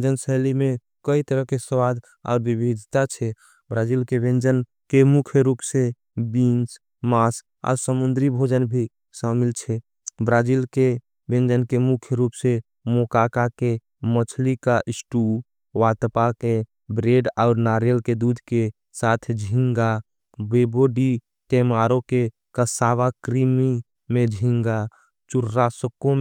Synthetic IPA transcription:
d͡ʒənsəlime | kəit̪əɾəɦkesəwad̪ | a̰ʊɾbibʱid̪ʱt̪at͡ʃʰɛ | bɾad͡ʒilkebẽnd͡ʒən | kemukʰjɾupse | bins | mas | a̰ʊɾsəmund̪ɾibʱod͡ʒənbʱi | səmilt͡ʃʰɛ | bɾad͡ʒilke | bẽnd͡ʒənkemukʰjɾupse | moːkaːkake | mət͡ʃʰlikaʔɪsʈu | ʋaːt̪pake | bɾeːɖɔːɾnaːɾjəlked̪uːd̪ʱke | saːt̪ʰd͡ʒʱɪ̃ŋɡa | beːboɖi | ʈemaːɾõke | kəsaːʋakɾimi | mẽd͡ʒʱĩŋɡa | t͡ʃʊɾɾasəkːõm

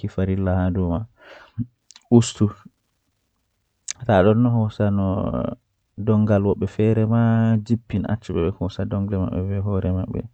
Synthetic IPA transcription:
kifaɾilːahadɔma | ʔustu | taɗɔnːɔɦɔsanɔ̰ | dɔŋɡalwɔɓːɛfɛɾɛmad͡ʒipːinʔa̰t͡ʃːɛɓɛɓɛhɔsadɔŋɡlɛma̰ɓːɛ̰fɛɦɔɾɛmaɓːɛ̰

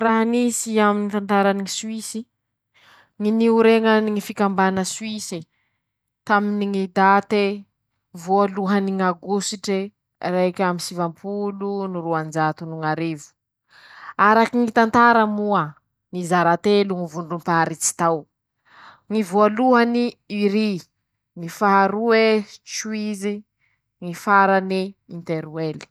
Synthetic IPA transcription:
raɦanisiaminit̪ant̪aɾaniŋisuisi | ŋiniuɾeŋəniŋifikambanəsuisi | t̪aminiŋid̪at̪e | vualuɦaniŋaɡusiʈ͡ʂe | rakʲamisivampʰuluniɾuand͡ʒat̪unuŋaɾevu̥ | aɾakiŋit̪ant̪aɾamua | nizaɾat̪eluŋivuɳɖ͡ʐumpaɾit͡si̥t̪aw | ŋivualuɦaniiɾi | ŋifaɦaɾuet͡ʃuizi | ŋifaɾaniint̪eɾuweli̥

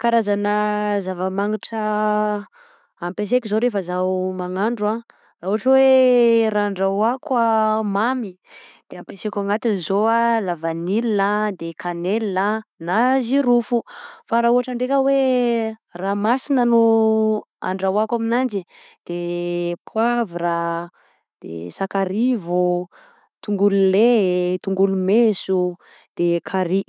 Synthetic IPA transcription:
kaɾazanəzavəmaŋiʈ͡ʂə | ampes̬ekʲizoɾefəzawmaŋaɳɖ͡ʐua | rauaʈ͡ʂəweɾaːɳɖ͡ʐawakwəmami | d̪̥eampesekʲaŋat̪inizoalavanilinad̪ekʰanelːanaziɾufufaɾauɦaʈ͡ʂəɳɖ͡ʐekʲəwe | raːmasinənu | a̰ɳɖ͡ʐawakaminand͡ʒi | d̪̥epʰuaviɾa | d̪̥ḛsakaɾivu | t̪uŋɡululet̪uŋɡulumesu | d̪̥ekʰaɾi

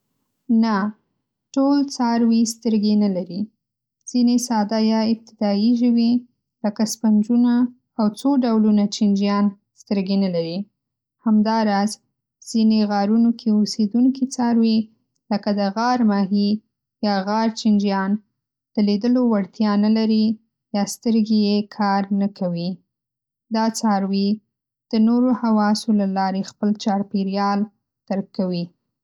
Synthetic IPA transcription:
na | ʈolt͡sɑɾwist̪əɾɡenalaɾi | z̥inesɑd̪ajɑɪb̚t̪ɪd̪ɑiʒəwi | ləkaspand͡ʒunaː | wt͡soɖawlunat͡ʃɪnd͡ʒjɑn | st̪əɾɡenalaɾi | hamd̪ɑɾɑz | z̥ineɣɑɾunokʰeosed̪unkit͡sɑɾwi | ləkad̪əɣɑɾmɑɦi | jɑɣɑɾt͡ʃind͡ʒjɑn | d̪̥əlid̪əlowaɽt̪jɑnalaɾi | jɑst̪əɾɡejekʰɑɾnakawi | d̪ɑt͡sɑɾwi | d̪̥ənoɾohawɑsolalɑɾexpəlt͡ʃɑɾpiɾjɑl | t̪aɾkːawi

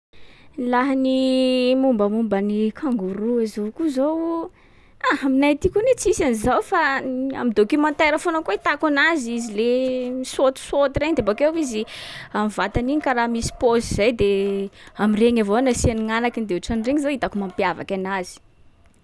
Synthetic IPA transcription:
nilaɦanimumbəmumbənikʰaŋɡuɾuazokuzow | ahaminajt̪ikunet͡sisanizawfaa̰mid̪okimant̪eɾafonakoit̪akanazizilemisot̪u̥sot̪iɾeɲd̪ebakewiziamivat̪aniɲikaɾamisi̥poziz̥ajd̪e | amireɲavoanasianiŋanakind̪euʈ͡ʂanireŋizoit̪akumampjava̰kanaz̥i̥

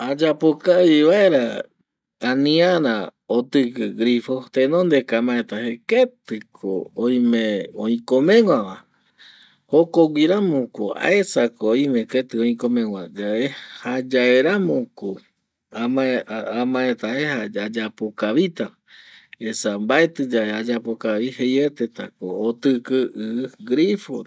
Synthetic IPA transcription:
ad͡ʒapokaβiβaeɾaː | nĩãɾaot̪ɨkɨɡɾifo̞t̪ẽnõnd̪ekamãet̪aheket̪ɨkʰõ̰ːĩmẽõĩkõmẽŋʷãʋa | hokoɡʷiɾamõkoa̰esakoːĩmẽket̪ɨõĩkõmẽŋʷad͡ʒaehad͡ʒaeɾamõko | amaamãet̪ahehaad͡ʒapokaβit̪a | esambaet̪ɨd͡ʒaead͡ʒapokaβihejet̪et̪a̰koːt̪ɨkɨʔɨɡɾifo

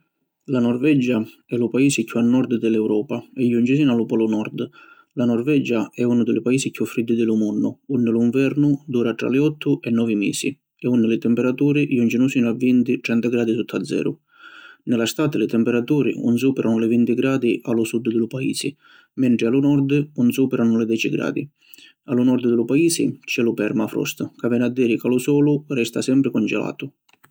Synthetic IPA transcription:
lanɔrvɛd͡ʒa | ɛlupaiːsɪkʰːuanːɔrd̪d̪ɪlɛwɾɔːpaɛjunt͡ʃɪs̬iːnalʊpɔlunɔrd̪ | lanɔrvɛd͡ʒaɛunʊd̪ɪlɪpaiːsikʰjufːɾid̪ːɪd̪ɪlumunːʊunːɪluiɱvɛɾnud̪uːɾat̪ɾa̰lɪɔt̪ʰːʊʔɛnːɔːvimḭːsḭ | ɛunːɪlɪt̪ɛmpɛɾat̪uːɾijund͡ʒinusiːnavːint̪iʈɛnt̪aɡɾaːd̪isut̪ʰːad̪zːɛ̰ːɾʊ | nɪlast̪aːt̪ɪlɪt̪ɛmpɛɾat̪uːɾḭṵnsuːpɛɾʔanʊlɪvint̪iɡɾaːd̪iʔalusud̪ːd̪ɪlʊpaḭːsɪ | mɛɳʈɾɪalunɔɾd̪unsuːpɛɾʔanʊlɪd̪ɛːt͡ʃiɡɾa̰ːd̪i | alunɔɾd̪d̪ɪlupaiːsɪ̰t͡ʃɛlupɛɾmafɾɔ̰st̪kavɛnad̪ːiːɾikalusɔːlurɛst̪asɛmpɾɪkɔnd͡ʒɛ̰la̰ːt̪ʊ

